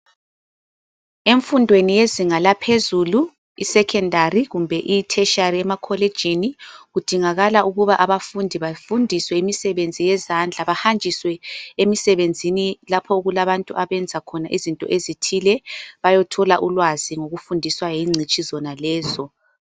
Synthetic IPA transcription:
eɱfundʱwenijeziŋalapʰezulu | ḭsɛkʰɛndʱariɣumbʱɛʔitʰɛʃariɛmakʰɔled̥ʒ̥ʱiniɣud̥ʱiŋaɣalaʔuɣuβaʔaβafundʱiβafundʱiswɛimisɛβend͡zʱijɛzand͡ɮʱaβahand͡ʒʱiswɛemisɛβend͡zʱinilapʰɔuɣulaβantʼuʔaβɛnd͡zʱakʰɔnaʔizintʼɔ̰ʔezitʰilɛβajɔtʰɔlaʔulwaziŋoɣufundʱiswajiŋ͡ǀʱit͡ʃʼizɔnalɛːzɔ

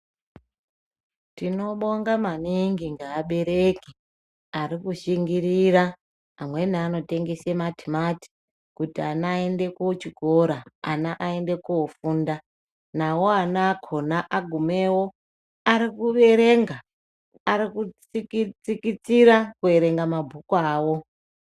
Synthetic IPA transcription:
tino̞ɓo̞ŋɡamaniŋɡiŋɡaːɓe̞ɾe̞ki | aɾikuʃiŋɡiɾiɾa | amwe̞niano̞te̞ŋɡe̞sematimati̥ | kutianaende̞kːt͡ʃiɡʱo̞ɾaa̰naʔae̞nde̞kuofuːnda | nawo̞anakʰonaʔaɡʱume̞wo̞ | aɾikuʋe̞ɾe̞ŋɡa | aɾikut͡sikit͡sikit͡siɾakue̞ɾe̞ŋɡamabʱukaːwo̞

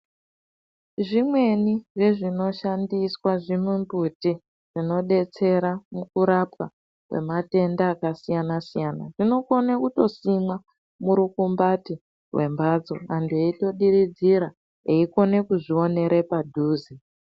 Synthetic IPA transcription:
ʐimwe̞niʐe̞ʐino̞ʃandiswaʐimumbuti | ʐ̥ino̞ɗe̞t͡se̞ɾamukuɾapwa̰ | kwe̞̰mate̞ndaːkasijanasijana̰ʐino̞ko̞nekuto̞simwa | muɾukumbati | rwe̞mbad͡zo̰andueito̞ɗiɾid͡ziɾa | eiko̞ne̞kuʐio̞ne̞ɾe̞padʱuːzi

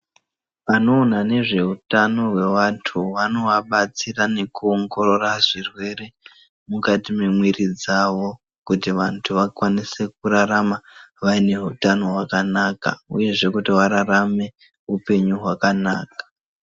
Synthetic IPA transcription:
ano̞ːnane̞ʐe̞utano̞ɦwe̞ʋatʰuʋano̞ʋaɓat͡sirane̞kuoŋɡo̞ɾo̞raʐirwe̞ɾe̞ | mukatimemwirid͡zaʋo̞ | kutiʋantʰuʋakwanise̞k̚uɾaɾamaʋaine̞ɦutano̞ɦwakanaka̰uje̞ʐe̞kutiʋaɾarame̞ | upe̞ɲuɦwakanaːkḁ

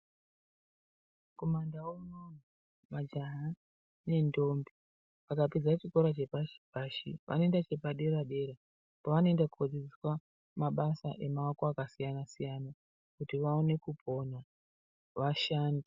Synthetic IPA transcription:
ko̞mandawononu | mad͡ʒaɦa | ne̞ndo̞mbi | ʋakaped͡zat͡ʃikoɾat͡ʃe̞paʃi̥paʃḭʋʔa̰no̞endat͡ʃe̞paɗe̞raɗe̞ɾe | poʋano̞endakukod͡zid͡ziswa | maɓasaʔe̞maʋakoakasijanasijana | kutiʋaone̞kupʰo̞na | ʋaʃaːndi

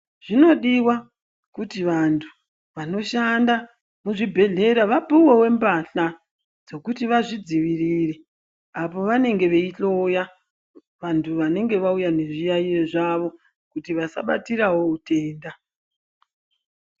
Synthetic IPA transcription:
ʐ̥ino̞ɗiwa | kutiʋantʰu̥ | ʋano̞ʃanda | muʐibʱe̞ɮe̞ɾaʋapuwewe̞mbaɬa | d͡zo̞kutiʋaʐid͡ziʋirire̞ | apo̞ʋane̞ŋɡe̞ʋe̞iɬo̞ja | ʋantʰuʋane̞ŋɡe̞ʋaujane̞ʐijaieʐaʋo̞ | kutiʋasa̰ɓa̰tiɾawo̞ute̞ːnda

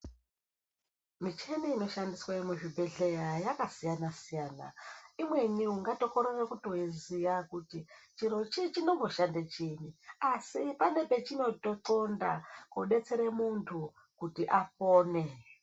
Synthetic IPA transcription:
mit͡ʃe̞niino̞ʃandiswaimuʐibʱe̞ɮe̞jajakasijanasijaːna̰imwe̞niuŋɡato̞koɾerekutoɦizijakutit͡ʃiɾo̞t͡ʃit͡ʃino̞mɡo̞ʃandat͡ʃiɲiasipane̞pe̞t͡ʃino̞toǃonda̰koɗe̞t͡se̞ɾemuntʰu | kutiʔapoːne̞

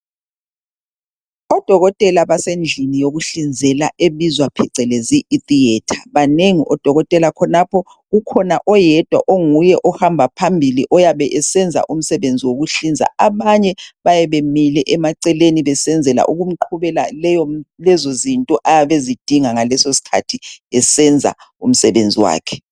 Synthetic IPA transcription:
ɔd̥ʱɔɣɔtʼɛlaβasend͡ɮʱinijoɣuɬind͡zʱɛlaeβizwapʰɛǀɛleziːtiɛtʰḁβaneŋiʔɔd̥ʱɔɣɔtʼɛlakʰɔnapʰɔ | ɣukʰɔnaʔɔjɛd̥ʱwa̰ʔoŋujɛʔɔhambʱapʰambʱiliʔɔjaβɛʔɛsɛnd͡zʱa̰ʔum̩sɛβend͡zʱiwoɣuɬind͡zʱa̰aβaɲɛβajɛβemilɛʔɛmaǀɛleniβɛsɛnd͡zʱɛla̰ʔuɣum̩ǃʰuβɛla̰lɛjɔlɛzozintʼɔʔajaβezid̥ʱiŋaŋalɛsosi̥kʰatʰiɛsɛnd͡zʱa̰ | um̩sɛβend͡zʱiwa̰ːkʰɛ̥

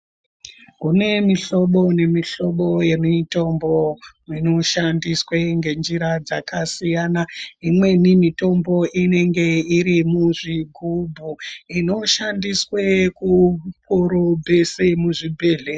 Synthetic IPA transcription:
kune̞miɬo̞ɓo̞ne̞miɬo̞ɓo̞je̞mito̞mbomino̞ʃandisweŋɡe̞nd͡ʒiɾad͡za̰kasijanaimwe̞nimito̞mbo̞ʔine̞ŋɡe̞iɾimuʐiɡʱubʱuino̞ʃandiswekup̚ʰoɾobʱe̞semuʐibʱe̞ːɮe

